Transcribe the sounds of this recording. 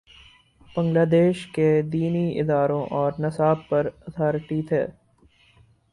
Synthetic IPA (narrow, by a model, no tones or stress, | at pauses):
b̥ə̃ŋɡlaːd̪eːʃked̪iːniɪ̰d̪aːɾõʔɔːɾnɐsaːb̚pɐɾɐt̪ʰaːɾʈit̪ʰḛː